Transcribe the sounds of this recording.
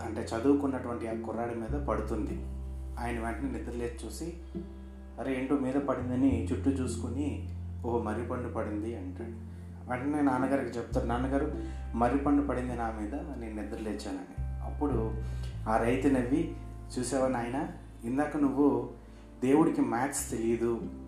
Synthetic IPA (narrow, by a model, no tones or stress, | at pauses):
ɐɳʈe̞ːt͡ʃɐd̪uːukunːɐʈuʋɐɳʈiaːkuɾaːɽimiːd̪ɐpɐɽut̪und̪iaːjɐnɐʋeɳʈɐneːnid̪ɐɾleːt͡ʃuːsi | ɐɾeeɳʈoːmiːd̪ɐpɐɽind̪ɐnit͡ʃuʈːut͡ʃuːsu̥kunioɦomɐɾjupɐɳɖupɐɽind̪iɐɳʈa | ʋeɳʈɐneːnaːnɐɡaːɾikit͡ʃeput̪aːɾinaːnɐɡaːɾu | mɐɾjipɐɳɖupɐɽind̪inaːmiːd̪ɐneːnnid̪ɐɾɐleːt͡ʃːaːna̰ːɐ̰pːuɽuaːɾɐjt̪inɐʋːi | t͡ʃuːsɛːʋɐnaːjɐnɐ | ind̪aːkːɐnuʋːu | d̪e̞ːwuɽikimaːtst̪e̞lijɐd̪u